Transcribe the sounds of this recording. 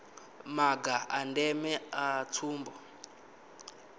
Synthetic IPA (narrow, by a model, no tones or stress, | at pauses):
maɡaandɛmɛat͡sʰuːmbɔ